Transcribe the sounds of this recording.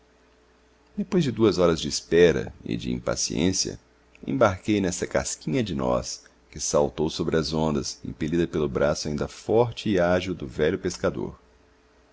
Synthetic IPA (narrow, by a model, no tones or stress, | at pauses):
d̪epojzd͡ʒɪd̪uɐzɔɾɐzd͡ʒɪːspɛɾɐ̰ɪ̰d͡ʒɪḭ̃pa̰siḛ̃sjɐ̰ | ḛ̃baɾkejnɛsɐka̰skĩɲɐd͡ʒɪnɔ̰s | kɪsawt̪owsobɾɪɐzõnd̪ɐsḛ̃pelid̪ɐpelʊbɾasʊaĩd̪ɐfɔɾt͡ʃɪːaʒiwd̪ʊvɛʎʊpeskad̪o̰ɾ